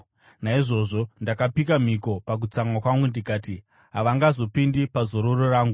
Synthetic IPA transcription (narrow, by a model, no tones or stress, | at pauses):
naiʐo̞ʐo̞ndakapikam̤iko̞pak̬ut͡samwakwamundikaːti | ɦaʋaŋɡazo̞pindipazo̞ɾororaːŋɡu